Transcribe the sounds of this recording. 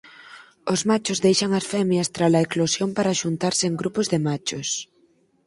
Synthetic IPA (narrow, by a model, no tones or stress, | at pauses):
ʊzmat͡ʃʊzðejʃɐŋɐsfɛmjɐst̪ɾalɐeklosjompaɾaʃunt̪aɾsɪːŋɡɾupʊzðɪmat͡ʃʊs